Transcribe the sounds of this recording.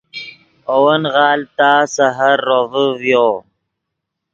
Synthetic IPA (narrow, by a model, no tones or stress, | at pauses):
owənɣɑːlt̪asaɦaɾːovəwjo